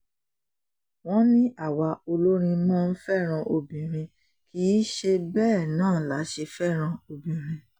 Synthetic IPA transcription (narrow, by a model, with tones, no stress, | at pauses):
w̃ɔ̃˦nĩ˦ʔa˦˨wa˧o˧lo˦ɾ̃ĩ˧mãː˦˧n̩˦fɛ˦˨ɾ̃ã˧ʔo˧bĩ˨ɾ̃ĩ˧ | kʰi˨˦ʃe˧bɛː˦˨nãː˦˨la˨˦ʃe˧fɛ˦˨ɾ̃ã˧o˧bĩ˨ɾ̃ĩ˧